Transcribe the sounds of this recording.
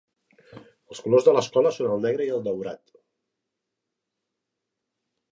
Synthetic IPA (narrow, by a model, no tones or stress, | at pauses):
əlˠskulozðələskɔləsonəlˠnɛɣɾəiəlˠd̪əwɾat̪